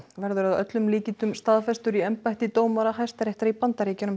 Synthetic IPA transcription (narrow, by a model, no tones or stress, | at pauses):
vɛɾðʏɾaðœt̪lʏmliːcɪt̪ʏmst̪aːðfɛst̪ʏɾiɛmpajht̪ɪt̪oːwmaɾahajst̪aɾɛht̪aɾipant̪aɾiːcanʏm